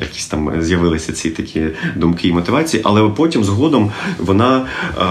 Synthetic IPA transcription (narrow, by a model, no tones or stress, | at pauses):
jɐ̰kʲi̥sʲt̪ɑmzʲjɐʋɪlˠɪsʲɐt͡sʲit̪ɐkʲʰid̪ʊmkɪːmɔt̪ɪʋɑt͡sʲijiʔɐ̰lˠɛpɔtʲimzɦɔd̪ɔmʋɔnɑ